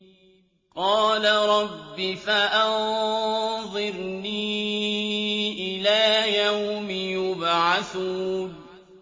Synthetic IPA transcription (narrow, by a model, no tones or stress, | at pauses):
qɑːlaɾˤɑbːɪfaʔɑn | ðˤɨɾniː | ʔɪlaːjawmɪjʊbʕaθuːn